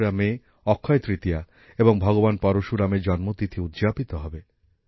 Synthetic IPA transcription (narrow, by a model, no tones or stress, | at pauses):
ɾame | ɔkʰːɔjt̪ɾit̪ija | ebɔŋbʱɔɡobanpɔɾoʃuɾamed͡ʒɔnmot̪it̪ʰiud̪d͡ʒapit̪ɔɦɔbe